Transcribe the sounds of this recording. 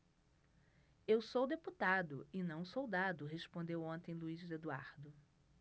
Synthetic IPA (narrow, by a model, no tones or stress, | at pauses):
ewsowd̪eput̪ad̪ʊ̰ɪnɐ̃w̃sowd̪ad̪ʊɦespõnd̪ewõnt̪ẽj̃luizd̪ed̪uaɾd̪ʊ